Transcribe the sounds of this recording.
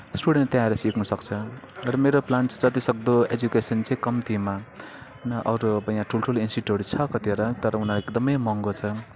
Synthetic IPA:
sʈuɽenʈt̪jãeɾʌsiknusʌkt͡sʰʌ | rʌmeɾoplant͡sʰʌd͡zʌt̪isʌk̚d̪oed͡zukesʌnt͡sʰikʌmit̪ima | nʌʔʌɾubʌjãʈʰulʈʰulinsiʈoɾit͡sʰʌkʌt̪iɾʌt̪ʌɾʌunaeekd̪ʌmʌjmʌŋɡot͡sʰʌ

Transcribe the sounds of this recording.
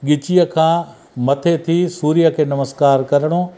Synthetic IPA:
ɠɪt͡ɕijəkʰãː | mɐt̪ʰet̪ʰisuːɾijəkʰeːnɐməskaːɾkɐɾəɽ̃o

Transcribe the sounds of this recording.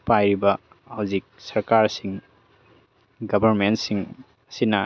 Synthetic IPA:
pajɾibɐː | wd͡ʒik̚sɐɾkaɾsiŋ | ɡɐbʱɐɾmentsiŋ | sinɐ

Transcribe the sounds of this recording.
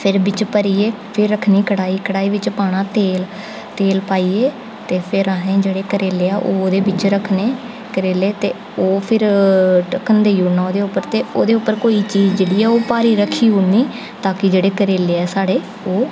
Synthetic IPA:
pʰɪɾbɪt͡ʃpəɾiːeː | pʰɪɾːəkʰniːkəɽaːiːkəɽaːiːʋɪt͡ʃpaːɽ̃ãːt̪eːl | t̪eːlpaːiːeː | t̪eːpʰɪɾəɦẽːd͡ʒeːɽeːkəɾeːleːaːʔoːoːd̪eːbɪt͡ʃɾəkʰneː | kəɾeːleːt̪eː | oːpʰɪɾʈəkʰənd̪eːjuːnaːoːd̪eːʊpːəɾt̪eːoːd̪eːʊpːəɾkoːiːt͡ʃiːzd͡ʒeːɽiːɛːoːpaːɾiːɾəkʰːiːɦuːniː | t̪aːkɪd͡ʒeːɽeːkəɾeːleːɛːsaːɽeː | oː

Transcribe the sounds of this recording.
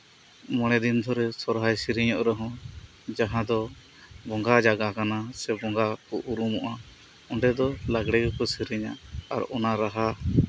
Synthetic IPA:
mɔɽ̃ɛd̪ind̪ʰʱɔɾɛsɔɾɦajsiɾiɲɔʔɾɛɦɔ̃ | d͡ʒaɦãd̪ɔ | bɔŋɡad͡ʒaɡakanasɛbɔŋɡakɔʔuɾumɔʔa | ɔɳɖɛd̪ɔlaɡɽɛɡɔkɔsiɾiɲaʔaɾɔnaɾaɦa

